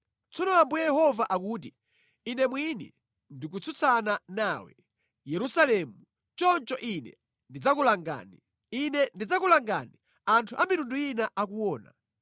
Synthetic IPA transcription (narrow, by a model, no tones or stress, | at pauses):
t͡sɔnɔambujɛjɛhɔvaʔakuːti | inɛmwinɛ̰ | ndik̬ut͡sʰut͡sʰananaːwɛ̰ | jɛɾusalɛːmu | t͡ʃɔnt͡ʃɔʔinɛ̰ | ndid͡zakulaŋɡa̰ːni | inɛndid͡zakulaŋɡa̰ni | antʰuʔamitunduinaʔakuwɔːna̰